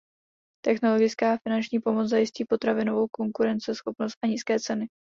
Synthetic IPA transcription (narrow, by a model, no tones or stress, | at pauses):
t̪ɛxno̞lo̞ɡɪt͡skaːfɪnant͡ʃɲiːpo̞mot͡szajɪsciːpo̞t̪ɾavɪno̞vo̞wko̞ŋkuɾɛnt͡sɪsxo̞pno̞st̪ʔaɲiːskɛːt͡sɛnɪ